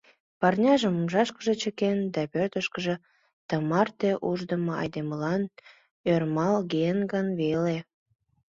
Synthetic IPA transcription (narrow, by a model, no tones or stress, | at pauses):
pɑrnʲɑʒəmumʒɑʃkəʒe̽t͡ɕəkend̪æpørt̪əʃkəʒe̽ | t̪əmɑrt̪eʔuʒd̪əməɑ̰jd̪eməlɑn | ørmɑlɡeənɡənβele